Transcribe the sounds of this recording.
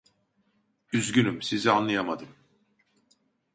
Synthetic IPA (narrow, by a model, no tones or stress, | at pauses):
yzɟynymsizianlˠajamad̪ɯm